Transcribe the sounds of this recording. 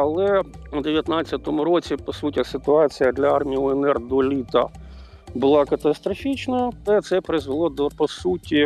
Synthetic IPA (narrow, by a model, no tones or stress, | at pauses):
ɐlˠɛud̪eʋʲjɐt̪nɑt͡sʲːɐt̪ɔmʊɾɔt͡sʲipɔsutʲɐsɪt̪ʊɑt͡sʲijɐd̪lʲɐɑrmʲijʊɛnɛrd̪ɔlʲit̪ɐ̰ | bʊlˠɑkɐt̪ɐst̪ɾɔfʲit͡ʃnɐlɛt̪sɛpɾɪzʋɪlˠɔd̪ɔpɔsutʲi